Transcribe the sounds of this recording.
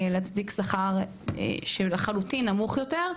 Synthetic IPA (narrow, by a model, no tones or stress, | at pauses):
leat͡sdiksaχaʁ̰ | ʃelaχalutinːamuχjoteʁ